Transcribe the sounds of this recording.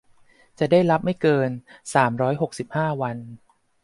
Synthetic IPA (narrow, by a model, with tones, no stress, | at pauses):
t͡ɕa˨˩daː˥˩jɾa˦˥p̚ma˥˩jkɤː˧nsaː˩˦mɾɔː˦˥jɦo˨˩k̚si˨˩p̚haː˥˩wa˧n